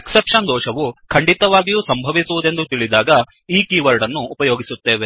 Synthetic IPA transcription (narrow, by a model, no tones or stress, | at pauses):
eksepʂɐnd̪ɔːʃɐʋukʰɐɳɖit̪ɐʋaːɡijuːsɐmbʱɐʋisuʋud̪e̞nd̪ut̪iɭid̪aːɡɐ | iːkiːʋɐɾɖɐnːuːpɐjoːɡisut̪ːeːʋe